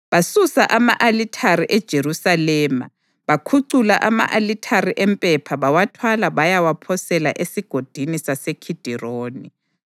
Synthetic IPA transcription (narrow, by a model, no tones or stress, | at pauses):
βasusaʔamaʔalitʰaɾiʔɛd̥ʒ̥ʱerusalɛːma̰ | βakʰuǀulaʔama̰ʔalitʰaɾiʔɛmpʼɛpʰaβawatʰwalaβajawapʰɔsɛla̰ʔesiɡ̥ʱod̥ʱinisasekʰid̥ʱiroːni